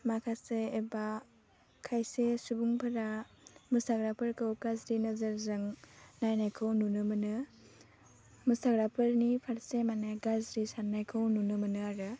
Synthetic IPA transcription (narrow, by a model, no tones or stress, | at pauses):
makʰaseeba | kʰajsesubuŋpʰɐɾa | mɯsaɡɾapʰɯɾkʰɯwɡazɾinɯzɐɾzɯŋnajnajkʰɯwnunɯmɯnɯ | mɯsaɡɾapʰɯɾnipʰaɾsemaneɡazɾisannajkʰɯwnunɯmɯnɯaɾɯ